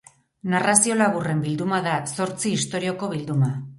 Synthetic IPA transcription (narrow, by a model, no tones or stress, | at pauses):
narasio̞laβ̞ure̞mbild̪umaðaso̞ɾt͡siːst̪o̞ɾio̞ko̞β̞ild̪uma